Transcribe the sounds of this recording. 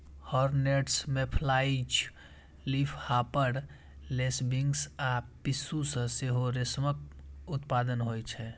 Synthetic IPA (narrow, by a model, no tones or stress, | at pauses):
hɔɾneʈsmẽpʰlait͡ʃʰ | lipʰhapəɽ | lesbiŋɡsapisusə̃seɦoɾesməkʊt̪pad̪ənɦojt͡ʃʰɛ